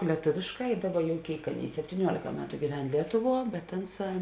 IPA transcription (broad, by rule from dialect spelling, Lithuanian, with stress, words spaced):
lʲiɛˈtoːʋʲeːʃˌkɑː ɪ ˈdɑːˌbɐ jɛʊ ˈkʲeːɪk ˈɑːˌnʲeːɪ sʲɛpʲtʲiːˈnʲuɔlʲeːkɐ ˈmʲæːtʊ ɡʲiːˈʋʲɛn ˈlʲiɛtʊˌʋuɔ bʲɛt ˈɐnˌsɑː